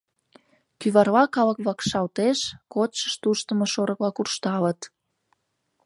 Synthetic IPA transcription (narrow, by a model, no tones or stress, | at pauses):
kyβɑrlɑkɑləkβɑkʃɑlt̪eʃkot̪ʃəʃt̪uʃt̪əməʃoɾə̆klɑkurʃt̪ɑlət̪